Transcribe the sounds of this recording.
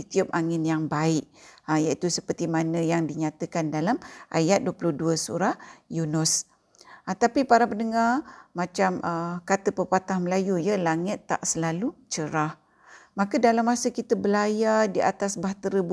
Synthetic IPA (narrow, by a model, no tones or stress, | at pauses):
it̪iup̚aŋɪnjaŋbaɪʔəjait̪usəpərt̪imanə̃jaŋdiɲat̪əkandalamʔajat̪̚duəplʊhduəsṵɾahjunʊs | ət̪apipaɾapənəŋarmat͡ʃamʔəkat̪əpəpat̪ahməlajujəlaŋɪt̪ːa̰ʔsəlalut͡ʃəɾah | makədalamːasəkit̪əbəlajadiat̪asbaht̪əɾəb